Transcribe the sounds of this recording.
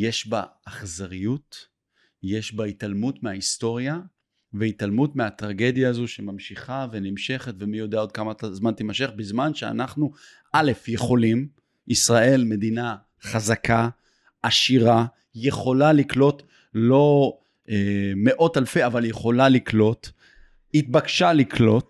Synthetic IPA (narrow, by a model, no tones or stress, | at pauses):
je̞ʃba̰ːχzaʁijut | je̞ʃbaitalmutmeaist̪o̞ʁja | veitalmutmeat̪ʁaɡe̞djaːzoʃemamʃiχave̞nimʃe̞χetvemijo̞d̪eao̞d̪̚kamaazmant̪imaʃe̞χbizmanʃea̰naχnu | ʔale̞fje̞χo̞lim | isʁae̞lme̞dina | χazaka | ʔaʃiʁa | je̞χo̞laliklo̞t | lo̞ | eme̞ʔo̞talfeavalje̞χo̞laliklo̞t | hit̚bakʃaliklo̞t̚